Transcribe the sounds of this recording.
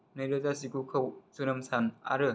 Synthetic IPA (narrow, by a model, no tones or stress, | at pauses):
nɯjɾɯzasikukʰɯwsunɯmsʰana̰ɾɯ